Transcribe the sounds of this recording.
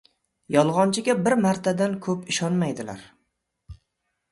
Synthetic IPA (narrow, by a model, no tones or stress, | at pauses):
jɒlˠʁɒnt͡ʃʰɪɡʲabɪɾmaɾt̪ʰad̪ankʰɵpɪʃɒnmajd̪ɪla̰ɾ